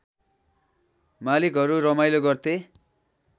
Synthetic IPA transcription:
malikɦʌɾuɾʌmajloɡʌrt̪e

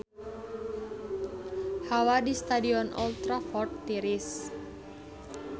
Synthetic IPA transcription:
hawadist̪adiɔnʔɔlt̪ɾafɔrt̪ːiɾis

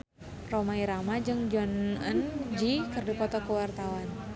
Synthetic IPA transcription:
romaiɾamad͡ʒɨŋd͡ʒɔnənd͡ʒikɨrdipɔt̪ɔkəwart̪awan

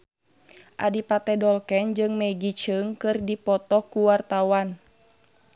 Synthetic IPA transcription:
ʔa̰dipat̪ɛdɔlkɛnd͡ʒɨŋmɛɡit͡ʃəŋkɨrdipɔt̪ɔkuwart̪awan

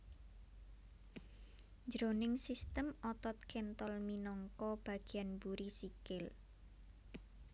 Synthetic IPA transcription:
ɲd͡ʒɾonɪŋsist̪əmɔt̪ɔt̪̚kʰent̪ɔlminɔŋkɔb̥a̤ɡ̥i̤anbuɾisikɪl

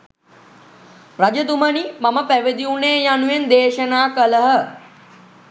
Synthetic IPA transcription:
rad͡ʒəd̪umənimaməpæʋed̪iuneːjanujend̪eːʃənaːkələɦə

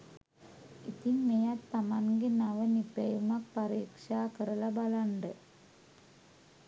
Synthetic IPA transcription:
ḭt̪iŋmejat̪ːamaŋɡenaʋənipɐjumak̚pɐɾiːkʂaːkəɾəlɐbalaɳɖə

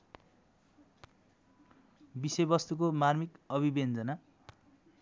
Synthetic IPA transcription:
bisʌjbʌst̪ukomarmikʌβibend͡zʌna

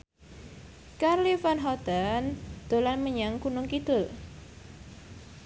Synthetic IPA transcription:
karlifanɦɔd̪̥and̪̥o̤lanməɲaŋkunʊŋkid̪̥ʊl

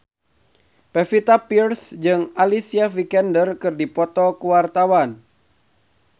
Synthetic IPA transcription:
pɛfit̪apirsd͡ʒɨŋalisiavikɛndərkɨrdipɔt̪ɔkuwart̪awan

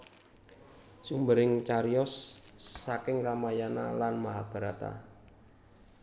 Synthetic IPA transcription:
sumbəɾɪŋt͡ʃaɾiɔsː | akɪŋramajana̰lanmaɦab̥a̤ɾat̪a̰

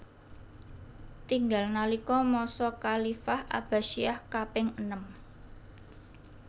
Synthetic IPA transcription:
t̪iŋɡalnalikɔmɔsɔkalifahʔa̰b̥a̤ʃiahkapɪŋənəm

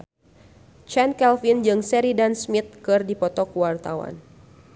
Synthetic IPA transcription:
t͡ʃɛnkɛlfind͡ʒɨŋsɛɾidansmit̪̚kɨrdipɔt̪ɔkuwart̪awa̰n

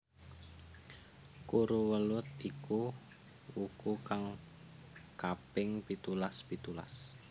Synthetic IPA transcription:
kuɾuwəlʊt̪̚iku | wukukaŋ | kapɪŋpit̪ulaspit̪ula̰s

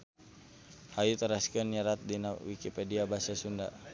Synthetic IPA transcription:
hajut̪əɾaskənɲaɾat̪̚dinawikipɛdiabasasunda̰

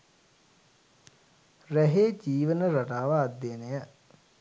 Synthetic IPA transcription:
ræɦeːd͡ʒiːʋənəɾaʈaːʋaːd̪ːenejə

